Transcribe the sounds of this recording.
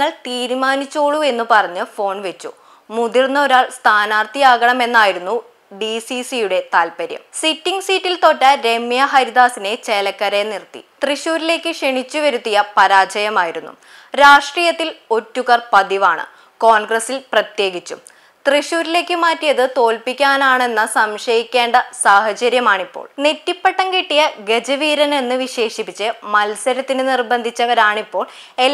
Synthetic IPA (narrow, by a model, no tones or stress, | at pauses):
ɐɭt̪iːɾumaːnit͡ɕːo̞ːɭue̞nːupɐrɐɲːɨfo̞ːɳʋe̞t͡ɕːṵ | muðirnːɐo̞ɾaːɭst̪ʰaːnaːrt̪ijaːɣɐɳɐme̞nːaːjiɾunːu | ɖisisijuɽe̞t̪aːlpɐɾjɐ̰msitːiŋɡsiːtːilt̪o̞ːʈːɐɾe̞mːjɐɦɐɾiðaːsine̞t͡ɕelɐkːɐɾenirt̪ːḭt̪riɕuːɾile̞ːkːɨʂeɳit͡ɕːuʋɐɾut̪ːijɐpɐɾaːt͡ɕɐjɐmaːjiɾunːṵ | ɾaːʂʈriːjɐt̪ːilo̞tːuɣɐrpɐd̪iʋaːɳɨ̰ | ko̞ːnɡrɐsilprɐt̪je̞ːɡit͡ɕːum | t̪riɕuːɾile̞ːkːɨmaːtːijɐðɨt̪o̞ːlpikʲːaːnaːɳe̞nːɐsɐmʂɐjikʲːe̞ːɳɖɐsaːhɐt͡ɕɐɾjɐmaːɳipːo̰ːɭnetːipːeʈːɐŋkeʈːijɐɡe̞d͡ʑɐʋiːɾɐne̞nːɨʋiɕe̞ːʂipːit͡ɕːɨmɐlsɐɾɐt̪ːinɨnirbɐnd̪ʱit͡ɕːɐʋɐɾaːɳipːo̞ːɭ | e